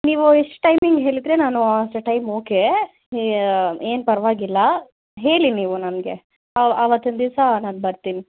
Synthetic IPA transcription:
niːʋueʂʈʈɐjmiŋɡɦe̞ːɭid̪ɾe̞naːnuaʂʈɐʈɐjmoːke | eːnpɐɾʋaːɡilːɐ | ɦe̞ːɭiniːʋunɐnɡe̞ | ɐɐʋɐt̪ːund̪isɐnaːnbɐɾt̪iːni

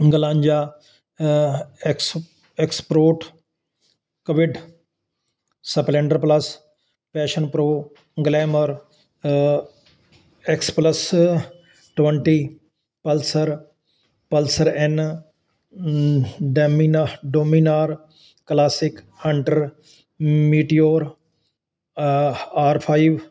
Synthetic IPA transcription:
ɡəlaːɲd͡ʒaː | ek | ekspɾoːʈ | kəʋɪɖ | sɐpleɳɖəɾpləs | pɛːʃənpɾoː | ɡleːməɾ | ekspləs | ʈʋəɳʈiː | pɐlsəɾ | pəlsəɾen | ɖminɖoːminaːɾ | klaːsɪk | hɐɳʈəɾ | miːʈioːɾ | aːɾpʰaːɪiʋ

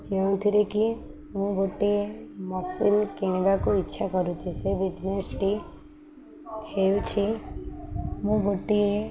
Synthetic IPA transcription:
d͡ʒeũt̪ʰiɾeki | mũɡoʈiemɔsinkeɳ̃ʋakoɪtːʃʰakɔɾũt͡ʃʰisebɪd͡ʒnesʈi | kʰejut͡ʃʰi | mũɡoʈːie

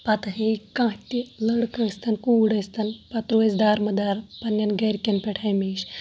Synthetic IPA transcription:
pɐt̪ɐɦeikãːt̪ʲiləɽkəst̪ʰɐnkuːɽɐst̪ɐnpɐt̪ɾuesʲd̪aːɾmɐd̪aːɾpɐnʲːɐnɡɐɾkʲenpʲeʈʰɐjmiːʃ

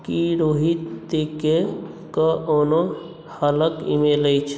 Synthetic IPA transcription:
kiɾoɦitt̪eke | kəono | hələkḭmeləjt͡ʃʰ

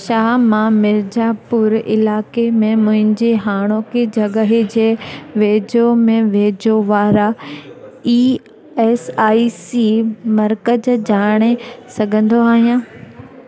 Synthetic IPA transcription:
ʃaːɦmãmɪɾd͡ʑaːpʊɾɪ̰laːkemẽmʊ̃ɦɪ̃ɲd͡ʑeɦaːɽ̃okʰed͡ʑʱɐɠəɦed͡ʑeːʋeːd͡ʑomẽʋeːd͡ʑoʋaːɾa | iː | ɛːsaːisimɐɾkəd͡ʑd͡ʑaːɽ̃esɐɡʱə̃nd̪oaːɦijãː

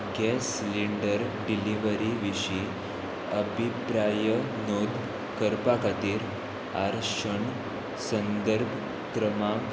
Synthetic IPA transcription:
ɡʱjesliɳɖəɾɖiliʋəɾiʋiɕi | əbʱipɾajə | nod̪ | kəɾpakat̪iːɾ | a̰ɾɕəɳ | sənd̪əɾbʱ | kɾəmãk

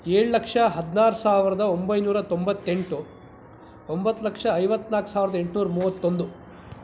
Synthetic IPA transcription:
eːɭulɐkʂɐɦɐd̪naːɾusaːʋɾɐd̪ɐombɐjnuːɾɐt̪o̞mbɐt̪ːe̞ɳʈu | ombɐt̪ːulɐkʂɐːjʋɐt̪ːnaːku̥saːʋiɾɐd̪ɐe̞ɳʈnuːɾɐmuːʋɐt̪ːond̪u

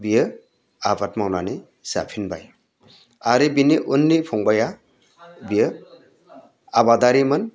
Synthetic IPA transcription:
bijɯ | abatmawnani | z̥a̰pʰinba̰j | aɾibiniʔunːipʰɔŋbaja | bijə | abadaɾimɯn

